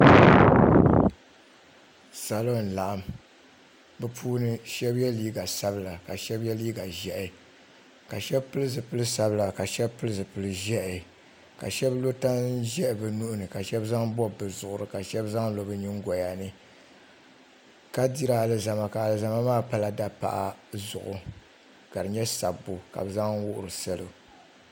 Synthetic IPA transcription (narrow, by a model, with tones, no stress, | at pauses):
sa˨lo˦˨n˨la˨ʔa˦m | bɨ˦pʰuː˦nɨ˦ʃɛ˦bjɛ˦liː˦ɡa˨sa˦bɨ˦˨la˨ka˨ʃɛ˦bjɛ˦liː˦ɡa˨ʒɛ˦ʔɪ˨ | ka˨ʃɛ˦bpɨ˦lɨ˦zɨ˨pɨ˦lɨ˦sa˨bɨ˦la˨ka˨ʃɛ˦bpɨ˦lɨ˦zɨ˨pɨ˨lɨ˦ʒɛ˦ʔɪ˨ | ka̰˨ʃɛ˦blo˦ta˦ʒɛ˦ʔbɨ˨nu˦ʔʊ˦nɨ˨ka˨ʃɛ˦bza˦ŋbɔ˦bɨ˨zʊ˨ʔʊ˨ɾɨ˨ka˨ʃɛ˦bza˦ŋlo˨bɨ˦ɲi˦ŋ˦ɡɔ˨ja˨nɨ˦ | ka˦di˦ɾa˦˨lɨ˦za˨ma˨ka˨a˨lɨ˨za˨ma˦maː˦pa˦la˨da˦pa̰˨ʔa˨zʊ̰˨ʔʊ˨ | ka˨ɾɨ˨ɲɛ˦sa̰˨bːo˨ka̰˨bɨ˨za˦ŋ˦wʊ˦ʔʊ˨ɾɨ˨sɛ˦lo˨